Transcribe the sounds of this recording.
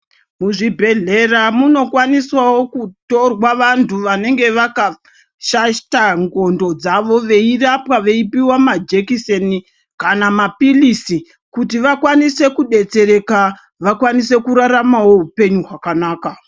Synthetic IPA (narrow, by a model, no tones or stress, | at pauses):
muʐibʱe̞ɮe̞ramuno̞kwaniswawo̞kuto̞rwaʋantʰuʋane̞ŋɡe̞ʋaka | ʃataŋɡo̞ndo̞d͡zaʋo̞ʋe̞irapwaʋe̞ipiwamad͡ʒekiseni | kanamapilisi | kutiʋakwanise̞kuɗe̞t͡se̞ɾe̞ka | ʋakwanise̞kuɾaɾamawo̞ɦupe̞ɲuɦwakanaːka